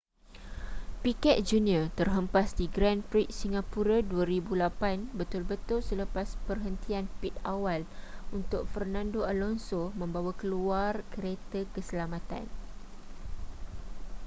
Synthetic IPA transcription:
pikɛt̪̚d͡ʒuniət̪ərɦəmpasdiɡɾanfɾit̚siŋapuɾaduəɾibulapanbət̪ʊlbət̪ʊlsələpaspərɦənt̪ianpit̪̚awalunt̪ʊk̚fərnãndoalɔnsomə̃mbawakəluarkəɾet̪əkəsəlamãt̪a̰n

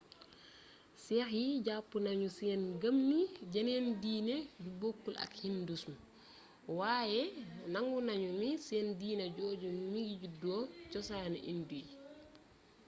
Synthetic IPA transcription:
sɛxiɟapːunaɲusɛːnɡəmniɟanendiːned͡ʒubokːulʔa̰khindusm | wajɛnaŋɡunaɲumisɛndiːnɛɟoːɟummiɡiɟudɔt͡ʃɔsaːnuʔinduj

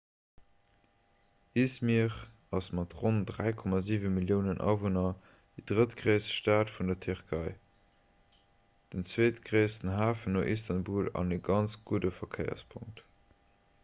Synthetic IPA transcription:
ismiʁ | ɑsmɑtʁondʁæɪkʰɔmaziːvəmiljəʊnənʔɑ̰vonɐ | d̥idʁətɡ̥ʁəɪsʃtaːtfundɐtʰyʁkʰɑɪ | d̥ənt͡sweːtɡ̥ʁəɪsənɦaːfənoʔistɑnbuːlɑ̰nəɡɑnt͡sɡ̥udəfɐkʰəɪɐ̰spʰʊŋk̚t

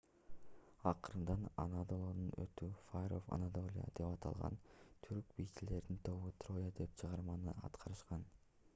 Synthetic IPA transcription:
ɑqɯɾɯnd̪ɑna̰nad̪olˠonunø̰t̪yfajɾofa̰nat̪o̞lʲija̰d̪̥e̞pɑt̪ʰɑ̰lˠʁɑ̰nt̪ʰyɾk̚bijt̪ile̞ɾd̪int̪ʰo̞βut̪ro̞jad̪e̞p̚t͡ʃʰɯʁɑɾmɑnɯɑ̰t̪qʰɑɾɯʃqɑn

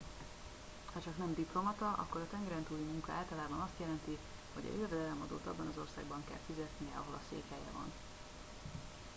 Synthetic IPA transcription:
hɒt͡ʃɒknɛmd̪iplo̞mɒt̪ɒʔɒ̰kːo̞ɾɒt̪ɛŋɡɛɾɛnt̪uːlimuŋkɒaːlt̪ɒlaːbɒnɒst̪jɛlɛnt̪iho̞̰ɟɒ̰elvɛd̪ɛlɛmɒd̪o̰ːt̪ɒbːɒnɒzo̞rsa̰ːɡbɒŋkɛ̰lfizɛt̪nijɛɒɦo̞lɒ̰sḛːkhɛjɛ̰vɒ̰n

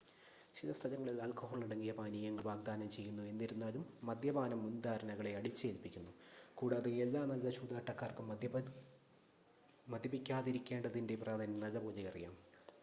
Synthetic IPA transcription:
t͡ɕilɐst̪ʰɐlɐŋːɐɭilaːlkoɦoːɭiɽɐŋːijɐpaːnijɐŋːɐɭbaːɡ̚d̪aːnɐmt͡ɕe̞jːunːue̞nːiɾunːaːlumːɐd̪jɐbaːnɐmːund̪aːɾɐnɐɣɐɭe̞ɐɽit͡ɕːeːlpikʲːunːukuːɽaːðeelːaːnɐlɐt͡ɕuːd̪aːʈːɐkːaːrkɨ | mɐd̪ʱjɐbikʲːaːðiɾikʲːe̞ːɳɖɐðindepraːd̪ʱɐnɐnɐlɐboːd͡ʑɐjɐrijaːm

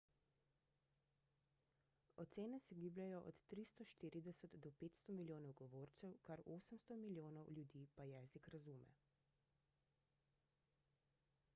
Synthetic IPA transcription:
ɔt̪seːnɛsɛɡiːblʲjajɔʔɔ̰t̪ːɾist̪ɔʃt̪iɾid̪ɛsəd̪d̪ɔpeːt̪st̪ɔmiljoːnɔwɡɔʋoːɾt̪sɛwkaɾoːsəmst̪ɔmiljoːnɔwljud̪iːpajɛːzikɾazuːmɛ̰

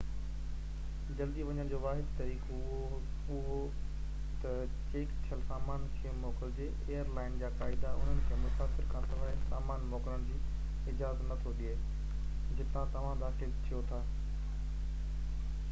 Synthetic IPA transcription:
d͡ʑɐld̪iʋɐɲəɽ̃d͡ʑoːʋaːɦɪd̪t̪ɐɾiːk | ʊɦo | t̪ɐ | t͡ɕeːkt̪ʰiəlsaːmaːnkʰimɔːkɪld͡ʑeː | eːjəɾlaːɪnd͡ʑaːkaːɪd̪aʊ̰n̤ənɪ̆kʰeːmʊsaːfɪɾkʰãːsɐʋaːɪsaːmaːnmɔːkɾəɽ̃d͡ʑiː | ɪd͡ʑaːzənɐt̪ʰoɗie | d͡ʑɪt̪ãt̪ɐʋ̤ãd̪aːxɪlt̪ʰijot̪ʰaː

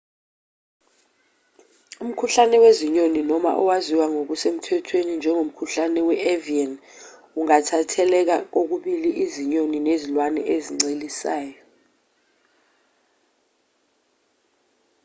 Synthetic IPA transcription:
um̩kʰuɬanɛweziɲoninɔma̰ʔɔ̰waziwaŋok̬usem̩tʰɛtʰwenind͡ʒʱɛŋom̩kʰuɬanɛwɛʔɛvian | uŋatʰatʰɛlɛk̬ak̬ok̬uɓiliʔiziɲoninezilwanɛ̰ʔeziŋ͡ǀelisaːjɔ

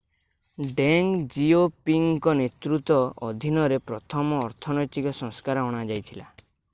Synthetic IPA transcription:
ɖeŋd͡ʒiopiŋkɔnet̪ɾut̪ɔɔd̪ʱinɔɾepɾɔt̪ʰɔmɔːɾt̪ʰɔnɔjt̪ikɔsɔ̃ŋskaɾɔɔɽ̃ad͡ʒajt̪ʰila

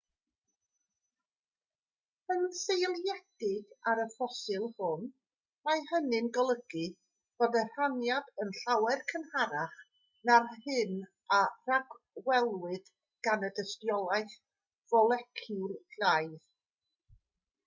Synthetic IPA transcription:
ənsejlˠjɛd̥ɪɡaɾəfɔsɪlˠhʊn | majhənɨnɡɔlˠəɡ̥ɨ | b̥ɔdɛr̥anjadənɬawɛrkʰənhaɾaχ | narhɨn | araɡ | wɛlˠwɨd̥ | ɡ̥anədəstjɔlˠajθ | v̥ɔlˠɛkʰɪlɬajð

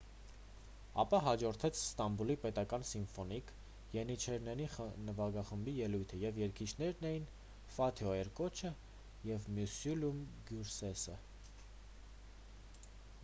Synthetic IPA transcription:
ɑpɑɦɑd͡ʒɔɾt̪ʰɛt͡sʰst̪ɑmbulipɛt̪ɑkɑnsiɱfɔnik | jɛnit͡ʃʰɛɾnɛninəvɑɡɑχəmbijɛlujt̪ʰəjɛvjɛɾkʰit͡ʃʰn̪ɛɾnɛjin | fɑt̪ʰjɔɛɾkɔt͡ʃʰə | jɛvmjusulumɡjuɾsɛsə

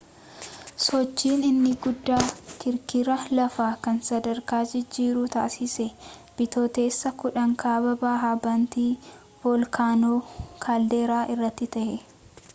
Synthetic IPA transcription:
sɔt͡ʃːiːnɪnːɪɡʊd̪ːaːkɪɾkɪɾɐlɐfaːkɐnsɐd̪ɐɾkaːd͡ʒɪd͡ʒːiːɾuːt̪a̰ːsɪsɛ | b̥ɪt̪oːt̪e̞ːsːɐkʊᶑɐŋkaːbɐbaːɦabɐnt̪iː | bɔlkʰaːnoːkʰaːld̪e̞ːɾaːʔɪrːɐt̪ːɪt̪ɐhɛ

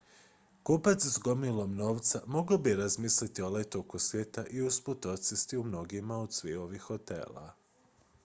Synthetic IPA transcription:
kupat̪szɡo̞milˠomno̞ːʋt̪samo̞ɡaobieɾazmiːslit̪io̞let̪okosʋjeːt̪aʔiusput̪ot̪sist̪iumno̞ɡimaod̪sʋio̞ʋixo̞t̪ḛːla̰

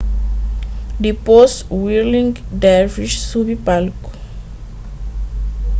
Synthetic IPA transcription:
dipɔswilĩŋɡdaviʃsubipalk

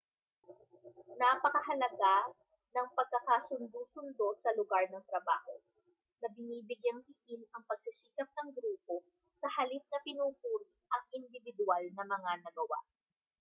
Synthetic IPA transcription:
napɐkɐɦɐlɐɡa | nɐŋpɐɡ̚kɐkasʊnd̪usʊnd̪osɐlʊɡaɹnɐŋt̪ɾɐba̰ːho | nɐbɪniːbɪɡjɐnhiʔɪnɐŋpɐɡ̚sisiːkɐp̚nɐŋɡɾuːpo̞ | sɐhɐlit̪̚nɐpɪnuːkut̪ | ʔɐŋʔɪnd̪ɪvɪd̪ʊalnɐmɐŋanɐɡɐwa̰

